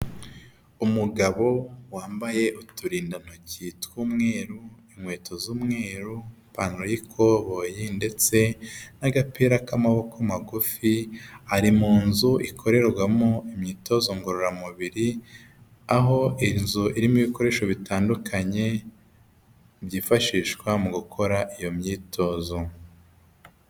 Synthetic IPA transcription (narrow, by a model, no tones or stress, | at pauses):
umuɡaβo̞waːmbaje̞ʔutuɾiːndan̥hociːtwuːmŋe̞ːɾuimwe̞ːtʰozuːmŋe̞ːɾu | paːnɾojikʰoβo̞jinde̞t͡se̞naɡapiːɾakamaβo̞kamaɡufihaɾimuːnzuikʰo̞ɾe̞ɾɡɡwamoimɲiːto̞zoŋɡoɾoɾamuβiɾi | aɦo̞inzuʔiɾimiβiko̞ɾe̞ːʃo̞βitaːndukʰaɲe̞ | bjiːfaʃiːʃkwamuɡukʰo̞ɾaʔijo̞mɲiːtʰo̞ːzo